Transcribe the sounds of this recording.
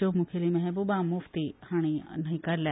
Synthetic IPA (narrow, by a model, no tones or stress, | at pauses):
omũkʰelimẽɦɛbobamʊft̪ihaːɽ̃inɐɦĩkɐɾla